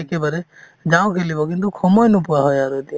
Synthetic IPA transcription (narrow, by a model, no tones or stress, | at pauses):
ekebaɾe | d͡ʒaw̃kʰelibɔkint̪ukʰɔmɔjnupuwaɦɔjaɾud̪i